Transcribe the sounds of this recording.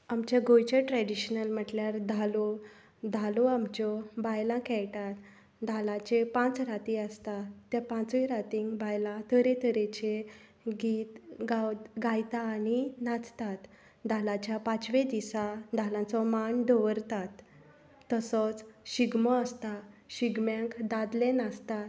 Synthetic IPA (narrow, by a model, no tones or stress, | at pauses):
amt͡ɕjaɡojt͡ɕəʈɾɛɖiɕnəlm̤əʈljaɾd̪ʱalɔ | d̪ʱalɔamt͡ɕɔbajlãkɛɭʈat̪ | d̪ʱalãt͡ɕepãt͡sɾat̪iəst̪at̪ːjapãt͡siɾat̪iŋɡbajlãt̪ʰəɾet̪ʰəɾet͡ɕe | ɡit̪ɡaɡajt̪aːninat͡st̪at̪ | d̪ʱalat͡ɕjapat͡ɕʋed̪isad̪ʱalãt͡sɔmaɳɖɔʋəɾt̪at̪ː | əsɔt͡sɕiɡmɔəst̪aɕiɡmãŋkd̪ad̪lenast̪at̪